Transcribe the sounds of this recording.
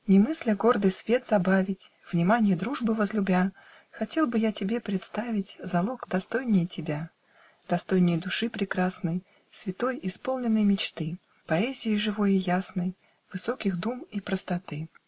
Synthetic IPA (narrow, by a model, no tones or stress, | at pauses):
nʲɪmɨsʲlʲəɡo̞rd̪ɨjsvʲe̞t̪zɐbavʲɪtʲ | v̥nʲɪmanʲɪjəd̪ɾuʐbɨvəzlʲʊbʲa | xɐtʲe̞lˠbɨjatʲɪbʲepɾʲɪt̪st̪avʲɪtʲzɐlˠokd̪ɐst̪o̞jnʲɪjtʲɪbʲa | d̪̥ɐst̪o̞jnʲɪjd̪ʊʂɨpɾʲɪkɾasnəj | svʲɪt̪o̞jʔɪspo̞lˠnʲɪnːəjmʲɪt͡ɕt̪ɨ | pɐɛzʲɪɪʐɨvo̞jɪjasnəj | vɨso̞kʲɪxd̪umipɾəst̪ɐt̪ɨ